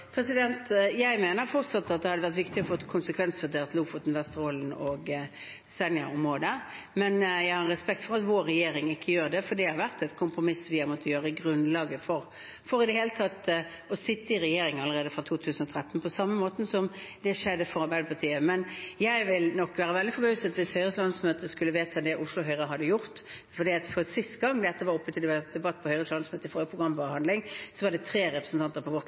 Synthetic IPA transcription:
pʰɾɛsɪd̪ɛnt̪jæɪmeːnəɾfɔʁt̪sɑt̪ːɑt̪̚d̪ɛhɑd̪əʋæʁt̪ʋɪkt̪ɪɔfɔt̪ːkʰʊnsəkʰʋɛnsʋœd̪ʰeːʁt̪luːfɔt̪n̩ʋɛst̪əʁoːlnɔɡ | sɛnjɑ̰ʊmʁoːd̪ə | mɛnjæɪhɑɾɾɛspɛk̚t̪fɔʁɑt̪ʋoːɾːɛjeːɾɪŋɪkʰːəjøːɾd̪ɛfɔd̪iɛhɑɾʋæʁt̪ɛt̪kʰʊmpɾʊmɪsʋɪhɑmɔt̪ʰːəjøːɾəɪɡɾʉnlɑːɡəfɔɾ | fɔɾɪd̪ɛheːlət̪ʰɑt̪ | ɔsɪt̪ːəɪɾɛjeːɾɪŋənɑləʁeːd̪əfɾɑt̪ʰuːt̪ʰʉːsən̩ɔt̪ʰɾɛt̪ːn̩pʰɔsɑmːəmoːt̪n̩sɔmd̪ɛʂɛd̪ːəfɔɾɑɾbæɪd̪əpʰɑt̪ʰiːəmɛnjæɪʋɪlnɔkːʋæːɾəʋɛld̪ɪfɔbøʉsət̪ʋɪshœʏʁəslɑnsmøːt̪əskʉlːəʋeːt̪ʰəd̪ɛʔʊslʊɦœʏɾəɦɑd̪ːəjʊɾt̪fɔɾɖiːɑt̪fɔʁsɪst̪ɡɑŋːd̪ɛt̪ːəʋɑɾɔpːət̪ʰɪld̪ɛbɑt̪ːpʰɔhœʏɾəslɑnsmøːt̪əɪfɔːɾəpʰʁʊɡɾɑmpɔhɑnd̪lɪŋsɔʋɑɖɛt̪ʰɾeːɾɛpɾəsn̩t̪ɑnt̪əɾpʰɔʋɔ

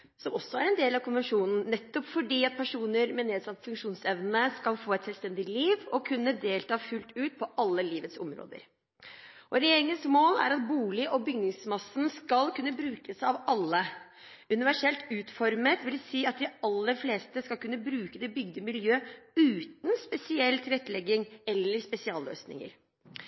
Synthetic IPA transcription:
sɔmɔsɔæɾɛnd̪eːlɑʋkʰʊnʋɛnʂuːnn̩nɛt̪ːɔpfɔɖiːɑt̪̚pʰæʂuːnəɾmɛneːd̪sɑnfʉŋkʂuːnsɛʋnəskɑlfoːɛt̪sɛlst̪ɛnd̪ɪliːʋɔkʰʉnːəd̪eːlt̪ʰɑːfʉlt̪ʉːt̪̚pʰɔʔɑlːəliːʋət̪sɔ̰mɾo̰ːd̪ə̰ɾ | ʔɔɾɛjeːɾɪŋənsmoːlæ̰ɾɑt̪̚buːlɪʔɔbʏɡnɪŋsmɑsn̩skɑlkʰʉnːəbɾʉːkəsɑʋɑlːə | ʉnɪʋæʂɛlt̪ʉːt̪fɔɾmət̪ʋɪlsiːɑt̪̚d̪ɪɑlːəɾfleːst̪əskɑlkʉnːəbɾʉːkəd̪ɛbʏɡd̪əmɪljøːʉːt̪n̩spɛsɪɛlt̪ʰɪlɛt̪ːlɛɡːɪŋɛlːəɾspɛsɪɑːlːø̰ːsnɪ̰ŋə̰ɾ

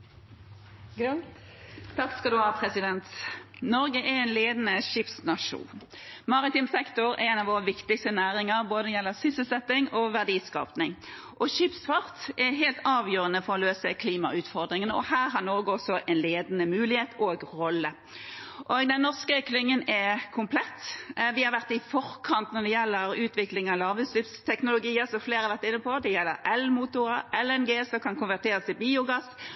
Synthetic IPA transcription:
t̪ʰɑkskɑld̪ʉɑːpʰɾɛsɪd̪ɛnt̪nɔɾɡəʔɛɛɪnleːd̪ənəʃɪpsnɑʂṵːn | mɑʁɪt̪ɪmsɛkt̪ʊɾɛ̰ɛnɑʋoːʁəʋɪkt̪ɪkst̪ənæːɾɪŋəʁboːd̪əjɛlːəsʏsəsɛt̪ːɪŋoːʋæʁd̪iːskɑ̰ːpnɪŋ | ʔɔʃɪpsfɑʁt̪ɛɦeːlt̪ɑːʋjøːɾənəfɔɾɔløːsəkʰliːmɑ̰ʉːt̪fɔɾd̪ɾɪŋənəɔhæːɾɦɑɾnoːɡəɔsɔʔɛnleːd̪ənəmʉːlɪheːt̪ʰoːɡʁɔlːə | ʔoːɡd̪ɛnnɔʁskəklɪŋːənɛkʰʊmpʰlɛt̪ːʋɪhɑɾʋæʁt̪ɪfɔɾkʰɑnt̪nɔɾd̪ɛjɛlːəɾʉːt̪ʋɪklɪŋɑlɑːɾʋəslʏpst̪ʰɛknʊlʊɡiːəsɔmfleːɾɑɾʋæɾt̪ɪnːəpʰɔd̪ɛjɛlːə̰ɾɛlmuːt̪ʊɾəɛlɛnɡeːsɔkʰɑnkʊnʋæʁt̪eːɾəsɪbiːʊɡɑs

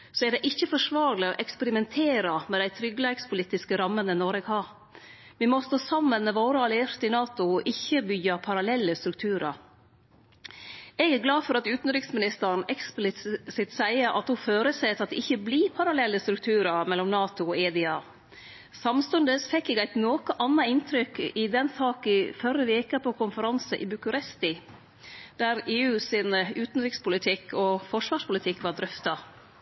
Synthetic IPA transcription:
sɔæɖ̪ɛʔɪçːəfɔʂʋɑːɾlɪɔ̰ʔɛkspɛɾɪmɛnt̪ʰeːɾɑmɛd̪æɪt̪ʰɾʏɡəlækspʰʊliːt̪ːɪskəɾɑmːənənɔɾɛːɡhɑɾ | ʋimɔst̪oːsɑmːənmɛʋoːɾəɑlɪeɾt̪əɪnɑːt̪ʊʔɪçːəbʏɡɑpʰɑɾɑlɛlːəst̪ɾʉk̚t̪ʰʉːɾɑ̰ɾ | ɛɡæɾɡlɑːfɔɾɑt̪ʉːt̪n̩ɾɪksmɪnɪst̪ənɛksplɪsɪt̪sæɪəɾʔɑ̰t̪hʊføːɾəset̪ɑt̪d̪ɛʔɪçːəbliːpʰɑɾɑlɛlːəst̪ɾʉk̚t̪ʰʉːɾɑɾmɛlːɔmnɑːt̪ʊɔeːd̪ɪɑː | sɑmst̪ʉnd̪əsfɛkːɛɡæɪt̪noːkəʔɑnːɑɪnt̪ʰɾʏkɪd̪ɛnsɑːkɪfœɾəʋeːkəpʰɔkʰʊnfəɾɑnsəʔɪ̰bʉkʉɾɛst̪ɪ | d̪̥æɾeːʉːsɪnəʉːt̪n̩ɾɪkspʊlɪt̪ʰɪkʰːɔfɔʂʋɑːʂpʊlɪt̪ʰɪkːʋɑɾd̪ɾʏft̪ɑ

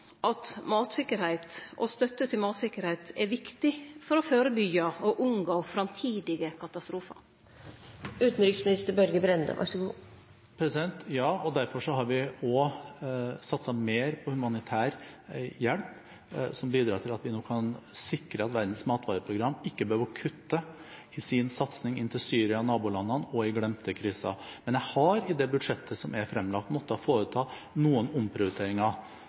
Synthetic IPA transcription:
ʔɑt̪mɑːt̪sɪkəɾhæɪt̪ʔɔ̰st̪œt̪ːət̪ʰɪlmɑːt̪sɪkːəɾhæɪt̪ɛʋɪkt̪ɪfɔɾɔføːɾəbʏɡɑɔʔʉŋɡoːfɾɑmt̪ʰiːd̪ɪɡəkʰɑt̪ɑst̪ɾuːfɑ̰ɾ | ʉːt̪n̩ɾʏksmɪnɪst̪əɾbœɾɡəbɾɛnd̪ə̰ʋʔɑ̰ʂɡu | pʰɾɛsɪd̪ɛnt̪jɑːɔd̪æɾfɔʂɔhɑɾʋɪɔ | sɑt̪sɑmeːɾpʰɔhʉmɑnɪt̪ʰæːɾjɛlp | sɔmbiːd̪ɾɑːt̪ʰɪlɑt̪ʋɪnoːkʰɑnsɪkɾəɑt̪ʋæɾd̪n̩smɑːt̪ʋɑːɾəpʰɾʊɡɾɑmːɪkːəbəhøəʋəɾkʰʉt̪ːə | ɪsɪnsɑt̪snɪŋɪnt̪ʰɪlsyːɾɪɑnɑːbʊlɑnːɑnɔɪɡlɛmt̪əkʰɾiːsɑ̰mɛnjæhɑɾɪd̪ɛbʉd̪ʂɛt̪ʰːəsɔmɛɾfɾɛmːlɑk̚t̪mɔt̪ːəɔfoːɾət̪ʰɑː | nuːənʊmpʰɾɪʊɾɪt̪ʰeːɾɪŋɑ

